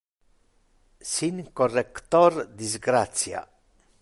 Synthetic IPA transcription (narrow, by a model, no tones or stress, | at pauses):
siŋkorːekt̪oɾd̪izɡɾat̪sja̰